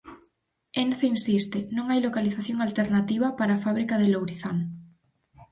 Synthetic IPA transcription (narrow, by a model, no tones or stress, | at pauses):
enθeinsist̪enõŋajlokaliθaθjoŋalt̪eɾnat̪iβ̞apaɾaːfaβɾikaðelowɾiθan